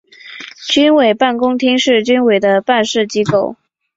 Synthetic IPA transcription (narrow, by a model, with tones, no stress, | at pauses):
t͡ɕy˥nwe˨˩ɪpa˥˩nkʊ˥ŋt̪ʰi˥ŋʂɻ̩˥˩t͡ɕy˥nwe˨˩ɪd̪ə˦pa˥˧nʂɻ̩˥˩t͡ɕi˥ko˥˩ʊ